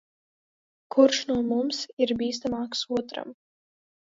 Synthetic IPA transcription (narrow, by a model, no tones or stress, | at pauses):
kʰuɾʃnuɔmumsiɾbiːs̬t̪amaːksuɔt̪ɾa̰m